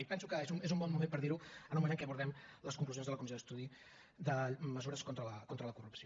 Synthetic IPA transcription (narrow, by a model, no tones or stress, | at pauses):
ipɛnsukəezumezumbɔnmːumempəɾðiɾuənuməenkɛəβuɾðɛmləskuŋkluzjonzðələkumis̬iod̪əst̪uði | d̪əməzuɾəskont̪ɾələkont̪ɾələkurupsio